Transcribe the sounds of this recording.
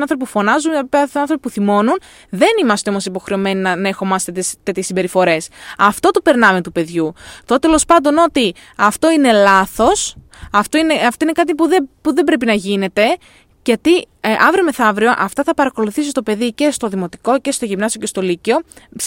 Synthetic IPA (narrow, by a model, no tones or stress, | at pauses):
ɐnθɾpipufo̞nɐzunpɐɐnθɾo̞pipuθimo̞nun | ðe̞nimɐst̪eo̞mosipo̞xɾe̞o̞me̞ninɐnɐe̞xo̞mɐst̪et̪st̪e̞t̪çesimbe̞ɾifo̞ɾe̞sɐft̪o̞t̪upe̞ɾnɐme̞t̪upe̞ðʝut̪ot̪t̪elo̞spɐnd̪o̞no̞t̪i | ɐft̪o̞ine̞lɐθo̞s | ɐft̪oineɐft̪o̞inekɐt̪̬ipuðepuðembɾe̞pinɐʝine̞t̪e̞ | ʝɐt̪i | ʔɐvɾiome̞θɐvɾioʔɐft̪ɐθɐpɐɾɐko̞luθisist̪o̞pe̞ðice̞st̪o̞ðimo̞t̪i̥ko̞ce̞st̪oʝimnɐsio̞ce̞st̪o̞licio̞